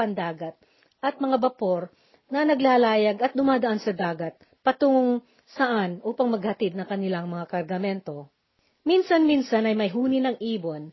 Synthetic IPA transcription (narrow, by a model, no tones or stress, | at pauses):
ɐnd̪aːɡɐt̪̚ | ʔɐt̪̚mɐŋabɐpo̞ɾ | nɐnɐɡlaːlaːjɐɡɐt̪̚d̪ʊmaːd̪ɐʔansɐd̪aːɡɐt̪̚ | pɐt̪ʊŋoŋ | sɐʔanʔuːpɐŋmɐɡhɐt̪ɪd̪̚nɐŋkɐnɪlaŋmɐŋakɐɾɡɐmɛnt̪o̞ | minsɐnminsɐnɐjmɐjɦuːnɪnɐŋʔiːbon